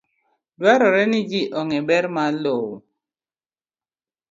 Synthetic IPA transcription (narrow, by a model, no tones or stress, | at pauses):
dwaɾɔɾɛnɪd͡ʒiʔɔŋɛbɛɾmalowo